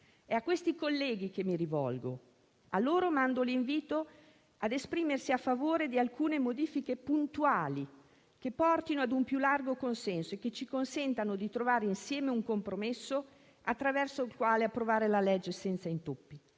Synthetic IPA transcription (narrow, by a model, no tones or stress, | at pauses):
ɛakːwest̪ikolːɛːɡik̟emːiɾivɔ̰lɡo̰ | alːoːɾomand̪oliɱviːt̪o | ad̪espɾiːmersiafːavoːɾed̪ialkuːnemod̪iːfikepunt̪uaːli | kepːɔrt̪inoad̪umpjulːarɡokonsɛnsoekːet͡ʃikonsɛnt̪anod̪it̪ɾovaːɾeinsjɛːmeuŋkompɾomesːo | at̪ːɾavɛrsoilkwaːleapːɾovaːɾelalɛd͡ʒːesɛnt̪saint̪opːi